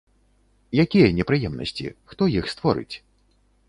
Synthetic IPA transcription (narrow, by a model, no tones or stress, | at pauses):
jakʲijɐnʲɛpɾɨjɛmnɐ̰sʲt͡sʲḭxt̪ɔjixst̪vɔɾɨ̰t͡sʲ